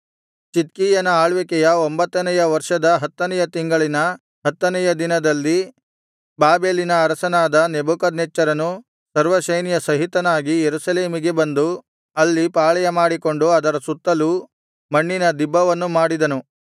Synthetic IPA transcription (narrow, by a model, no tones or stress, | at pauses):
t͡ʃit̪kiːjɐnɐaːɭʋɛkɛjɐombɐt̪ːɐnɛjɐʋɐɾʂɐd̪ɐɦɐt̪ːɐnɛjɐt̪iŋɡɐɭinɐ | ɦɐt̪ːɐnɛjɐd̪inɐd̪ɐlːi | baːbe̞ːlinɐːɾɐsɐnaːd̪ɐnebukɐd̪nɛt͡ʃːɐɾɐnu | sɐɾʋɐʃɐjnijɐsɐɦit̪ɐnaːɡijeɾusɐle̞ːmiɡe̞bɐnd̪u | ɐlːipaːɭɐjɐmaːɽiko̞ɳɖuɐd̪ɐɾɐsut̪ːɐlu | mɐɳːinɐd̪ibːɐʋɐnːumaːɽid̪ɐnu